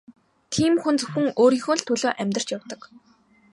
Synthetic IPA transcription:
t̪ʰiːmxunt͡sɵxɘ̆ŋoːɾiːŋxoːɮt̪ʰɵɮoːʔæmʲt̪ər̥t͡ɕjawt̪ɞ̆k

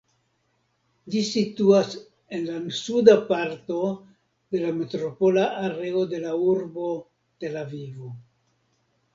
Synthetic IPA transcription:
d͡ʒisituas | e̞nlansudapaɾto̞ | de̞lame̞tɾo̞po̞laʔaɾe̞ode̞lauɾbo̞ | te̞lavivo

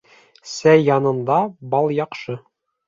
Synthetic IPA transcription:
sæjːɑnɤ̆nd̪ɑbɑlˠjɑqʃɤ

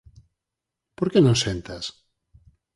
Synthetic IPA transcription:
poɾkenõŋsent̪as

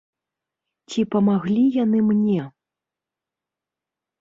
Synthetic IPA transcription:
t͡sʲipɐmaɣlʲijanɨmnʲɛ

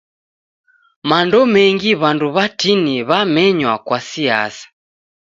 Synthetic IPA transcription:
mandɔmɛŋɡiβanduβatiniβamɛɲwakwasia̰sḁ

